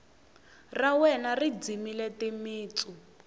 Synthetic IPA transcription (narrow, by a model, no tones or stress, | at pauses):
rawɛnarid͡zimilɛtimiːt͡su